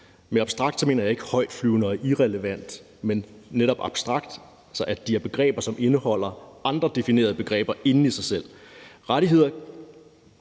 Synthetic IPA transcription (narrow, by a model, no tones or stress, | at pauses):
meɑ̈b̥sd̥ʁɑ̈ɡ̥̚d̥sɒme̝̰ːnɐjɑ̈e̝ɡ̥hɒ̽ɪ̰d̥flyːʊnəɒʔiʁɛləʋæn̰d̥ | menːeɾɒ̽b̥ɑ̈b̥sd̥ʁɑ̈ɡ̥̚d̥ | ælsɒʔæd̥iæɐb̥e̝ɡ̥ʁɛ̰ːb̥ɐsɒ̽me̝nəhɒ̽l̰ɐʔɑ̈nd̥ʁɐd̥e̝fine̝̰ɐð̞ˠb̥e̝ɡ̥ʁɛ̰ːb̥ɐʔe̝nn̩isɑ̈ɪsel̰ʁɑɾiɦe̝ð̞̰ˠɐ